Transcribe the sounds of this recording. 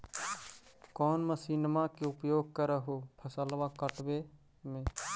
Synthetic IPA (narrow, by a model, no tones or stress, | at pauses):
kɔːnməsiːnmakeʊpjoːɡ̚kəɾeɦopʰəsəlʋakəʈwe | mẽ